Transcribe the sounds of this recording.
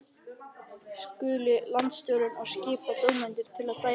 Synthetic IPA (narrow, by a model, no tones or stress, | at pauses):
skʏːlɪlant̪st̪jowɾʏnɔɣscɪːpat̪œwmɪnt̪ɪɾ̥t̪ʰɪlaðpa